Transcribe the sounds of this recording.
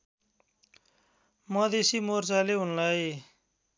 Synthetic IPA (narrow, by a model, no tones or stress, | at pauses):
mʌd̪esimort͡saleɦunlʌj